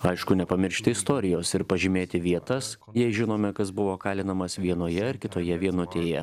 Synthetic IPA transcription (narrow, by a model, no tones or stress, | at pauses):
ɐɪʃkʊnʲɛpɐmʲɪɾʲʃʲt̪ʲɪɪst̪oːɾʲɪjoːsɪɾpɐʒʲɪmʲeːt̪ʲɪʋʲiɛt̪ɐss | jɛɪʒʲɪnoːmʲɛkɐsbʊʋoːkɑːlʲɪnɐmɐsʋʲiɛnoːjɛɪɾkʲɪt̪oːjɛʋʲiɛnʊt̪ʲeːjɛ